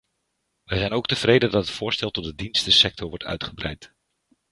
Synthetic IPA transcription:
ʋəjzɛjnowk̚təv̥rejdəndɑtətfʊːɹstɛlˠtɔt̚dədinstəsɛk̚tɔɹʋɔɹtʰœ̰ɥtχəbrɛjt

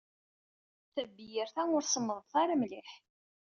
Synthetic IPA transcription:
θæbːijəɾθænʊɾsəmːəðˤθaɾamliħ

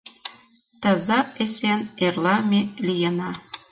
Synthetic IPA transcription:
t̪ɑzɑesʲenerlˠɑmʲelʲijɤ̆nɑ

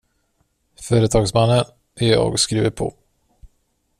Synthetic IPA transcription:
fœːɾət̪ʰɑːɡsmanːən | ʔæjɑ̰ːɡskɾiːvəpʰɔ̰

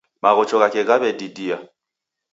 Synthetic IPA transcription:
maɣɔt͡ʃɔɣakɛɣaβɛdidia

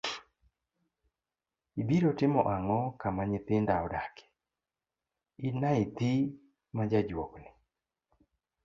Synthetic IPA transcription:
ibiɾotɪmɔʔaŋɔkamaɲɪt̪ɪndaɔdake̥ | inait̪i | mad͡ʒad͡ʒwɔknɪ

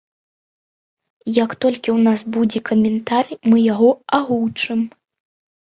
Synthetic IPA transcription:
jɐkt̪ɔlʲkʲiwnasbud͡zʲɛkɐmʲɛnt̪armɨjaɣɔaɣuwt͡ʂɨm

